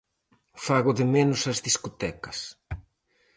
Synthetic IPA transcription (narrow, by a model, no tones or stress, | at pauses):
faɣʊðɪmenʊsɐzðiskot̪ɛkɐs